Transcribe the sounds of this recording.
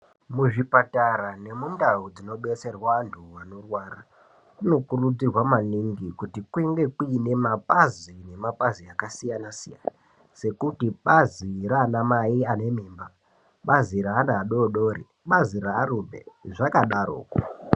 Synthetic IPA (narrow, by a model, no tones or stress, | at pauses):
muʐipataɾane̞mundaud͡zino̞ɓe̞t͡se̞rwantʰuwano̞rwaːɾa | kuno̞kurud͡zirwamaniŋɡikutikueŋɡe̞kuine̞mapazine̞mapaziakasijanasija̰na | se̞kutiɓaziraːnamaiane̞meːmba | ɓaziɾaːnaːɗo̞ɗoːɾḭ | ɓaziraːɾubḛʐakaɗaɾo̰ːko